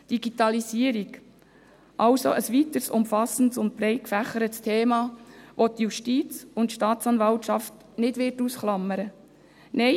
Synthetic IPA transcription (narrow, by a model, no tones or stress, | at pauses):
d̥iɡit̪ɑlisiəɾik | ʔɑlso̰ʔəsʋit̪əɾsʊmfɑsn̩tsʊnt̚pɾɛɪkfæχəɾətstʰeːmɑːʋotjuʃtiːt͡sʊntʃtɑːt̪t͡sɑnvɑltʃɑft | nɪdvɪrtuːsχlɑmːəɾə | nɛ